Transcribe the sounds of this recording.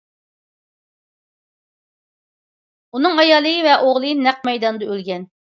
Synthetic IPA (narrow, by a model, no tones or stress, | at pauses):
unɨŋɑjɑːlˠɨjivɛʔoʁlˠɨjinæq̚mɛjd̪ɑnɨd̪ɑølɡʲɛn